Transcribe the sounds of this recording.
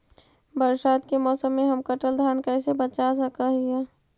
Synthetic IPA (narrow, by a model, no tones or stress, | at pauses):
bəɾsaːt̪kemɔːsəmːẽɦəmkəʈəld̪ʱjaːnkəɪsebət͡ʃas̬əkəɦiɦɛ